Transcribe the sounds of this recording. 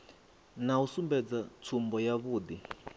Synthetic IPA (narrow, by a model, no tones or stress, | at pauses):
nausumbɛd͡zat͡sʰumbɔjaβuːd̪i